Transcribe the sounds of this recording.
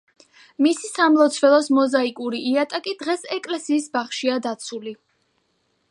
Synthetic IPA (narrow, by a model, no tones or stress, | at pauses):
misisamlˠɔt̪sʰvɛlˠɔsmɔzaikʼuɾiʔiat̪ʼakʼid̪̥ʁɛsɛkʼlɛsiːsbaχʃiad̪at̪sʰuli